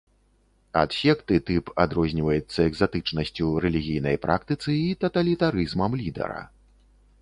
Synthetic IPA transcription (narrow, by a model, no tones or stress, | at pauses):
a̰d̪̥fʲɛkt̪ɨt̪ɨpad̪ɾɔzʲnʲivɐjut̪sːɐɛɡzat̪ɨt͡ʂnɐsʲt͡sʲuɾɛlʲiɣʲijnɐjpɾʔa̰kt̪ɨt̪sɨit̪ɐt̪ɐlʲit̪aɾɨzmɐmlʲid̪ɛ̰ɾɐ̰